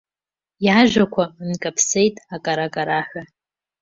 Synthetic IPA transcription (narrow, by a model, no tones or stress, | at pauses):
jaʒʷᶣakʷʰankʼapʰse̞jtʼakʼaɾakʼaɾaħʷᶣa